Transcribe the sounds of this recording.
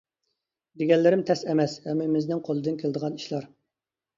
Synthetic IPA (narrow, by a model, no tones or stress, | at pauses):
d̪eɡʲɛnlːɪɾɪmt̪ʰɛsɛmɛshɛmːɪmɪznɪŋqʰolˠɨd̪ɨnkʲʰelˠd̪əʁɑniʃlˠɑɾ